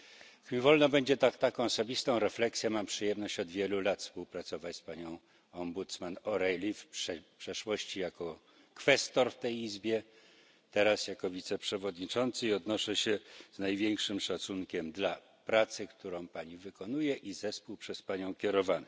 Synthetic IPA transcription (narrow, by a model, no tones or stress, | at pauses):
kmʲivɔlnɔbɛɲd͡ʑɛt̪akt̪akɔ̃w̃ɔsɔbʲist̪ɔ̃w̃ɾɛflɛksʲjɛmampʂɘjɛmnɔɕt͡ɕɔd̪vʲjɛlulat̪fspuwpɾat̪sɔvat͡ɕspaɲɔ̃w̃ | ɔmbut̪smanɔɾɛjlʲifpʂɛpʂɛʂwɔɕt͡ɕijakɔ | kfɛst̪ɔɾft̪ɛjizbʲjɛ | t̪ɛɾasjakɔvʲit̪sɛpʂɛvɔd̪ɲit͡ʂɔnt̪sɘiɔd̪nɔʂɛɕɛznajvʲjeŋkʂɘmʂat̪suŋkʲɛmd̪la | pɾat̪sɘkt̪uɾɔ̃w̃paɲivɘkɔnujɛʔizɛspuwpʂɛspaɲɔ̃w̃kʲɛɾɔvanɛ